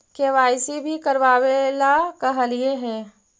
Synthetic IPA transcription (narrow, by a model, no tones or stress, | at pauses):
keʋaːɪsibʱikɐɾʋaːwelakɐɦəlieɦɛ̃ː